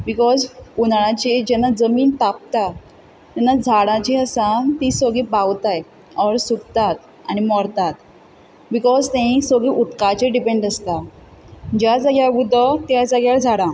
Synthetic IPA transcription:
bikɔzpunɭ̃ãt͡ɕid͡ʑɛnːad͡zəmiːnt̪ap̚t̪a | t̪ɛnːad͡zʱaɽãt͡ɕiəsãnt̪isəɡibawt̪aj | ɔɾsukt̪at̪ | a̰ñimɔɾt̪at̪ | bikɔzt̪ɛ̃ɦĩsoɡiːʔut̪kat͡ɕeɖipẽɳɖəst̪a | d͡ʑjat͡saɡjaɡud̪ʱɔt̪jad͡zaɡjad͡zʱaɽã

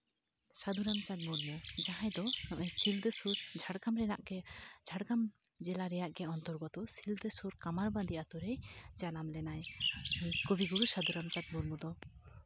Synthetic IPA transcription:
sad̪uɾamt͡ʃat̪̚muɾmud͡ʒaɦajd̪ɔnɔʔɛsild̪ɛsuɾd͡ʒʱaɽɡamɾɛna̰ʔɡɛd͡ʒʱaɽɡam | d͡ʒɛlaɾɛjaʔɡɛɔnt̪ɔɾɡɔt̪ɔsild̪əsuɾkamaɾbãnd̪iʔat̪ɔɾɛjd͡ʒanamlɛnaj | kɔbiɡuɾusad̪uɾamt͡ʃat̪̚muɾmud̪ɔ

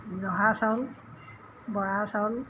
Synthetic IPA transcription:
zɔɦasal | bɔɹasal

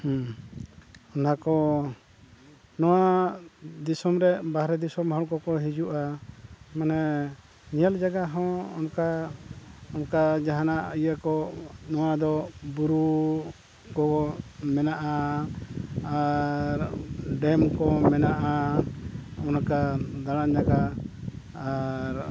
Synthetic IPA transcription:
h | ɔnakɔ | nɔwa | d̪isɔmɾɛbahɾɛd̪isɔmɦɔɽkɔkɔɦid͡ʒuʔa | manɛ | ɲəld͡ʒaɡaɦɔ̃ɔnka | ɔnkad͡ʒaɦanaʔijakɔnɔwad̪ɔbuɾu | kɔmɛnaʔa | aɾɖɛmkɔmɛnaʔa | ɔnkad̪aɽand͡ʒaɡa | aɾ

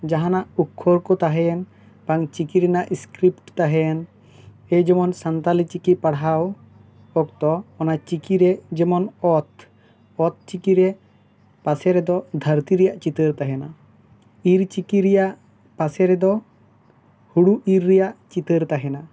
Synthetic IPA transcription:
d͡ʒaɦanaʔukʰːɔɾkɔt̪aɦɛɛn | paŋt͡ʃikiɾɛnaʔiskɾipʈt̪aɦɛɛn | ɛd͡ʒɛmɔnsant̪alit͡ʃikipaɽɦaw | ɔk̚t̪ɔɔnat͡ʃikiɾɛd͡ʒɛmɔnɔt̪ | ɔt̪̚t͡ʃikiɾɛ | pasɛɾɛd̪ɔd̪ʱəɾt̪iɾɛjaʔt͡ʃit̪əɾt̪aɦɛna | iɾt͡ʃikiɾɛjaʔ | pasɛɾɛd̪ɔ | huɽuiɾːɛjaʔt͡ʃit̪əɾt̪aɦɛna

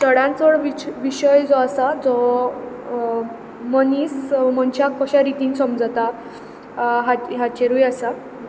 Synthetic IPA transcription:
t̪əɽãnt͡sʋəɽʋit͡ɕʋiɕəjd͡zɔasad͡zɔ | məniːsmənt͡ɕakʰɔɕaɾit̪iːnsɔmd͡zat̪a | ɦaɦat͡ɕeɾujasa

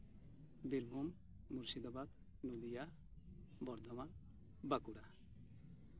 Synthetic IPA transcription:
d̪iɾmumː | uɾsid̪abad̪ | nud̪ija | bɔɾd̪ʱɔma | bakuɽa

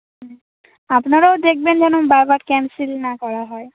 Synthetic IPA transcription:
apnaɾaod̪ek̚bend͡ʑɛnobaɾbaɾkɛmsilnakɔɾaɦɔe

